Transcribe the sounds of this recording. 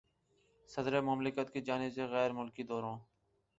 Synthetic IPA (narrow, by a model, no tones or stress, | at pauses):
səd̪ɾeːmʊmlɪkət̪kiːd͡ʒaːnɪbseːɣɛːɾmʊlkiːd̪ɔːɾõː